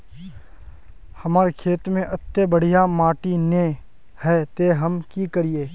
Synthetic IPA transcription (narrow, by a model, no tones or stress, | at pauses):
hɐmaːɾekʰeːt̪mẽʔɐt̪ːebəɽ̤ijamaːʈinẽ | hɛːt̪eɦɐmkikəɾieː